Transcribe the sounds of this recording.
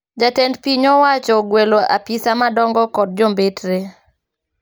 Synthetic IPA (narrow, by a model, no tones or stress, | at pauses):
d͡ʒatɛndpiɲɔwat͡ʃɔɡweloʔa̰pisamadɔŋɡɔkɔd̚d͡ʒombetɾe